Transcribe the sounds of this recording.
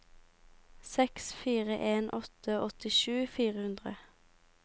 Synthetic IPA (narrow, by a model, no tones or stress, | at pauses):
sɛksfiːʁəʔeːnʔɔt̪əʔɔt̪ɪʃʉːfiːʁəhʉnd̪ʁə